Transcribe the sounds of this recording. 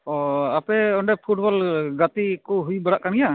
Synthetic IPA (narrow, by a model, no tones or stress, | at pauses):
ɔapɛɔɳɖɛpʰuʈbɔlɡat̪ikuɦujbaɽaʔkaɽ̃ija